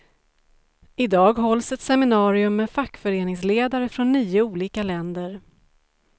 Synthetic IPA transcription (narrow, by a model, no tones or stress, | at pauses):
ɪd̪ɑːɡɦɔlsɛt̪sɛmɪnɑːɾɪɵmːɛfakːfœɾeːnɪŋsleːd̪aɾəfɾɔnːyːʊuːliːkalɛnd̪əɾ